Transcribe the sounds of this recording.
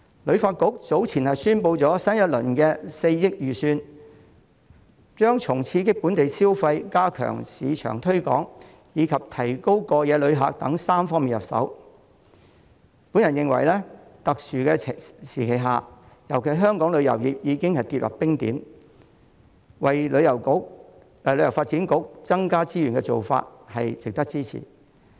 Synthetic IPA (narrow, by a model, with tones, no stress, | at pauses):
lɵ˨˧ɥfaː˧t̚kʊ˨˥k̚t͡so˨˥wt͡sʰiː˨˩nhɐ˨jsyː˥npo˧wt͡sɔː˨˥sɐ˥njɐ˥t̚lɵ̰˨˩nkɛː˧se˧jjɪ˥k̚jyː˨syː˧n | t͡ʃœː˥ŋt͡ʃʰʊ˨˩ŋt͡sʰiː˧kɪ˥k̚pu˨˥nt̪e˨jsiː˥wfɐ˧jkaː˥kʰœ̰ː˨˩ŋsḭː˨˧t͡ʃʰœ̰ː˨˩ŋt̪ʰɵ˥ɥkɔ̰ː˨˥ŋ | jiː˨˧kʰɐ˨p̚t̪ʰɐ˨˩jko˥wkɔː˧jɛː˨˧lɵ˨˧ɥɦa̰ː˨k̚t̪ɐ˨˥ŋsaː˥mfɔː˥miː˨njɐ̰˨p̚sɐ̰˨˥w | pu˨˥njɐ˨˩njɪ˨ŋwɐ̰˨˩jlɛː˥t̪ɐ˨k̚syː˨kɛː˧˨siː˨˩kʰe˨jɦa̰ː˨ | jɐ˨˩wkʰe˨˩jɦœː˥ŋkɔː˨˥ŋlɵ˨˧ɥjɐ̰˨˩wjiː˨˥p̚jiː˨˧kɪ˥ŋhɐ˨jt̪iː˧t̚lɐ̰˨˩p̚pɪ˥ŋt̪iː˨˥m | wɐ˨jlɵ˨˧ɥjɐ˨˩w | lɵ˨˥ɥjɐ˨˩wfaː˧t̚t͡siː˨˥nkʊ˨˥k̚t͡sɐ˥ŋkaː˥t͡siː˥jyː˨˩nkɛ˧t͡so̰˨wfa̰ː˧t̚hɐ˨jt͡sɪ˨k̚t̪ɐ˥k̚t͡siː˥t͡sʰḭː˨˩